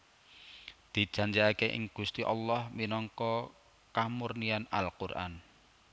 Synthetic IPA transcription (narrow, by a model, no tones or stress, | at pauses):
d̪̥i̤̥ʒ̥a̤ɲd͡ʒiakeʔɪ̰ŋɡ̥ṳst̪iʔɑlːɔhminɔŋkɔ | kamurniana̰lkurʔa̰n